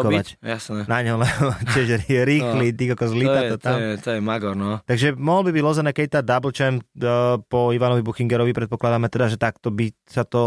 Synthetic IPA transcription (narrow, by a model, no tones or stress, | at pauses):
kɔacjasnɛnaɲɔmlɛbcɪɛʒɾɾiːxlit̪iɡakɔzlit̪at̪ɔt̪amɛt̪ɔjɛmaɡɔɾnɔt̪aɡʒɛmɔɦlbibiɟlɔzɛnɛkɛct̪ad̪abl̩t͡ʃɛmpɔiʋanɔʋibuxiŋɡɛɾɔʋipɾɛt̪̚pɔklad̪aːmɛt̪ɛd̪aʒɛt̪akt̪ɔbisat̪ɔ